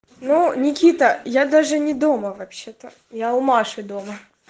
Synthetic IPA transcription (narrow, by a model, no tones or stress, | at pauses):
nunʲɪkʲit̪əjad̪aʐɨnʲɪd̪oməvɐpɕːet̪ə | jaʊmaʂɨd̪omə